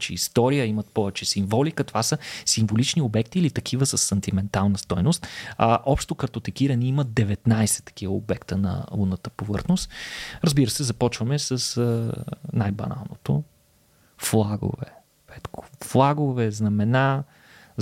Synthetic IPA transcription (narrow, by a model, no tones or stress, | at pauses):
t͡ʃɛḭst̪ɔɾijəimɐt̪̚pɔvɛt͡ʃɛsiɱvɔlikət̪ovasəsiɱvolit͡ʃniobɛkt̪iːlit̪ɐk̟ʰivəsəsːɐnt̪imɛnt̪alˠnəst̪ɔjnost̪ʔɔpʃt̪okɐɾt̪ot̪ɛkiɾɐniimət̪̚d̪ɛvɛt̪najsɛ̥t̪ɐ̥k̟ivəo̰bɛkt̪ənɐ̰lunət̪ə̥povɤ̰ɾxnost̪ɾɐzbiɾəsɛzɐpɔt͡ʃvəmɛsəsənajbɐ̰na̰lˠnot̪o | flˠaɡo̰vɛ̰ | vɛt̪kʰo̥flˠaɡovɛznɐmɛna